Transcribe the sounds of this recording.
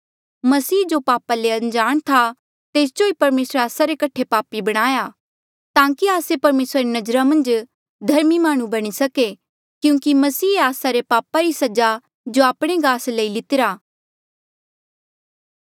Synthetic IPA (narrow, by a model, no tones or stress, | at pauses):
mɐsiːd͡ʒopaːpaleɐ̃nd͡ʒaːɽ̃t̪ʰa | t̪eːsd͡ʒoipɐɾmeːsɾeaːsaɾekɐʈʰepaːpibɐɽ̃aːja | t̪ãːkiaːsepɐɾmeːsɾaɾenɐd͡ʒɾamɐ̃nd͡ʒ | d̪ʱɐɾmimaːɽ̃ũbɐɽ̃isɐke | kjũːkimɐsiːaːsaɾepaːpaɾisɐd͡ʒa | d͡ʒoaːpɽ̃eɡaːsləilɪt̪ɪɾaː